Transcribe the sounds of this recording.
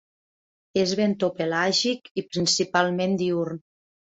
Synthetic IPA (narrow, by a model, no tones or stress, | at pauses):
ezβent̪opelaʒikipɾinsipalˠmend̪iuɾn